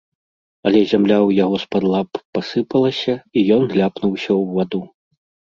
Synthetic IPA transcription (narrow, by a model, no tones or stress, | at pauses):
ɐlʲɛzʲamlʲawjaɣɔspad̪lˠapːasɨpɐlˠɐsʲɐijɔnɣlʲapnuwsʲɐwvad̪u